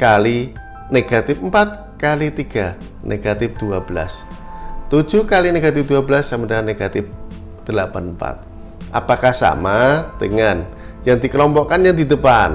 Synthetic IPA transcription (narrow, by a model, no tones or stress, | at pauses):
kali | neɡ̥at̪ɪfmpat̪̚ | kalit̪iɡ̥a | nʔeɡ̥at̪ɪf̚d̪̥uab̥əla̰s | t̪u̥ʒ̥uhkalineɡ̥at̪ɪf̚d̪uabəlasːamənaaneɡ̥at̪ɪf̚ | d̪̥əlapanmpa̰t̪̚ | ʔa̰pakahsa̰mad̪̥əŋan | jaŋd̪ikəlɔmpɔʔkanjaŋd̪id̪əpan